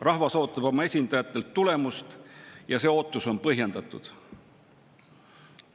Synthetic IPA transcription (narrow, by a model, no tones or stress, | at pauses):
rɑhvɑso̞ːt̪ːˑɑb̥o̞mɑe̞sʲind̪̥ɑjɑt̪ːˑe̞lt̪ːule̞must̪jɑse̞o̞ːt̪ːˑuso̞npɤɦjend̪ɑt̪ːˑṵd̪̥